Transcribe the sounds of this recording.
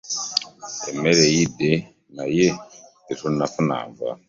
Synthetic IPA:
emeɾejide | naje | iɾunafuna̰ːɱva̰

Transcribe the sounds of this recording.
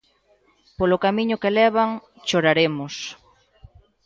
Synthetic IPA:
polokamĩɲʊkelɛβaŋ | t͡ʃoɾaɾemʊs

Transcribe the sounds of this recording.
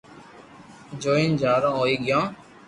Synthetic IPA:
d͡ʒoːĩnd͡ʒaːɾãːɦoːiːɡɪjãː

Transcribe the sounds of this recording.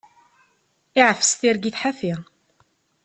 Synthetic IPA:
iʕəfəst̪iɾɡiθħafiʁ

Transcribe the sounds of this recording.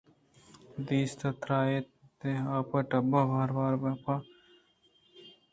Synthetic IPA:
d̪iːst̪ɐt̪ɾaːet̪eaːpɐʈɐbabʱaːɾbaːɾbɐpaː

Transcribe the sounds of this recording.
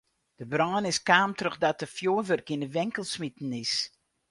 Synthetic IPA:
d̥əbrɑːnɪskaːmtrəxdatəfjoːʋərkinəʋɪŋkəlˠsmitn̩ɪs

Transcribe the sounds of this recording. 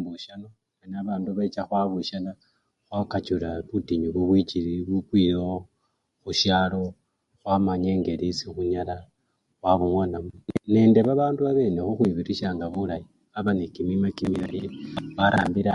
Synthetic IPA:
buʃano̞ | anaβaːnduβat͡ʃaxwaβuʃala | xwakat͡ʃulaβutiɲuβuβwit͡ʃiɾiβukwijo | xuʃjalo̞ | xwamaɲe̞ːŋɡe̞ɾisixuɲala | waβuŋonamune̞ːnde̞βaβaːnduβaβe̞ːne̞xuxwiβiɾiʃaːŋɡaβulaji | aβanekimimakimiaɾiβaɾaːmbiɾa

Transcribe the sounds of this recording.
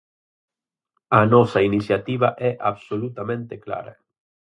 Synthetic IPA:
anɔsainiθjat̪iβ̞aʔɛʔaβsolut̪amẽnt̪ekla̰ɾɐ̰

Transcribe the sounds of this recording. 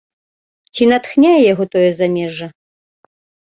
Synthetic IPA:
t͡ʃʰinɐt̪xnʲajɛjɛɦot̪ʰojɛzɐmʲeʐɐ

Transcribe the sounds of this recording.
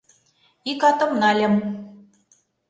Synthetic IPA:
ikɑt̪ɤ̆mnɑlʲɘ̆m

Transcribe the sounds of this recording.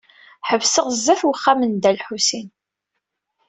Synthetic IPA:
ħəvsəʁzːæθwəχːamənd̪ælħusin

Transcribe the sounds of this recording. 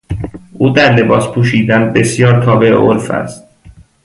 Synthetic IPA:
ʔuːd̪æɾle̞bɒːspʰuːʃiːd̪ænbe̞sjɒːɾt̪ʰɒːbeḛʔo̰ɾfæ̰st̪̚

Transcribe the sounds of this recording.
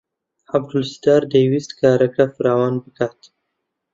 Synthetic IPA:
ab̚d̪ʊlsi̥d̪ɑɾd̪əwist̪kaɾakafɾɑwɑːnbəkɑt̪

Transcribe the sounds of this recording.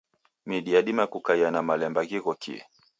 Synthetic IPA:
miɗiaɗimakukaianamalɛmbaɣiɣɔkḭɛ̰

